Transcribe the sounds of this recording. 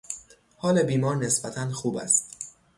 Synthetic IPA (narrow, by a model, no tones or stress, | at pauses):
hɒːlebiːmɒːɾne̞sbæt̪ʰænxuːbæ̰st̪